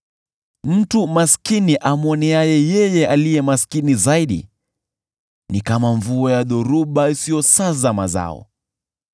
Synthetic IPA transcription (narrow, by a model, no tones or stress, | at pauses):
m̩tumaskiniʔamɔniajɛjɛjɛʔalijɛmaskinizaiɗḭ | nikamaɱvuɔjaɗɔɾuɓaisijɔsazamaza̰ɔ̰